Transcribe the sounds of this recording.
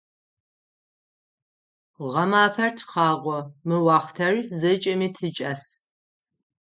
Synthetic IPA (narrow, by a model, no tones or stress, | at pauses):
ʁɐmaːfɐrtʰqɑːʁʷɔmɨwɑːχtʰɐrzɨt͡ʃʼɐmiːtʰɨt͡ʃʼɐs